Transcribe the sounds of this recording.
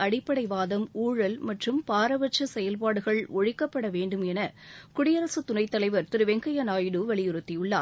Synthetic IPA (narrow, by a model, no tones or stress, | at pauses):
ɐɽɪpːɐɽɐɪʋaːðɐmuːɻɐlmɐʈrɯmpaːɾɐʋɐʈ̚t͡ʃːɐsɛjɐlpaːɽɯɣɐɭɔɻɪkːɐpːɐɽɐʋeːɳɖɯmɛnɐkʊɽɪjɐɾɐsɯt̪ʊnɐɪt̪ːɐlɐɪʋɐɾt̪ɪɾɯʋɛŋɡɐjɐnaːjɽɯʋɐɭɪjʊɾɯt̪ːɪjɯɭːaː